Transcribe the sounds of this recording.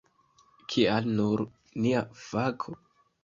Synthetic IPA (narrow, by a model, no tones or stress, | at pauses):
kʰialnuɾ | niav̥akʰo